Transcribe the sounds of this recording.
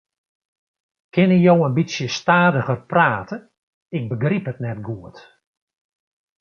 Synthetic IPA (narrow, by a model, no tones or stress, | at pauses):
kʰɪnəjowənbisjəstaːdəɣərpraːtə | ɪk̚bəɡripɦətnɛt̚ɡuət